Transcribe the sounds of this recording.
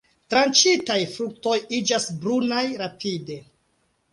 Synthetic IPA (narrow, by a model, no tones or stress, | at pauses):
tɾant͡ʃitajfɾuk̚to̞jid͡ʒasbɾunajɾapʰide̞